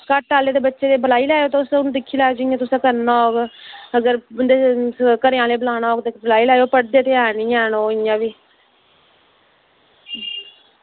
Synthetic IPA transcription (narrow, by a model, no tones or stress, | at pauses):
kəʈːaːleːd̪eːbətːʃeːd̪eːbəlaːiːlaːjoːt̪ːʊsnũːd̪ɪkʰːiːlaːoːd͡ʒɪjãːt̪ʊsãːkəɾnaːoːɡəɡəɾd̪ekəɾjãːleːbəlaːnaoːɡt̪eːblaːiːlaːjoːpəɽd̪eːt̪eːaːnĩːɛːnoːɪjãːʋiː